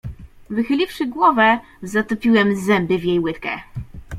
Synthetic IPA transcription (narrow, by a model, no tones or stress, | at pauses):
vɘxɘlʲifʂɘɡwɔvɛ | zat̪ɔpʲiwɛmzɛmbɘvʲjejwɘt̪kɛ̰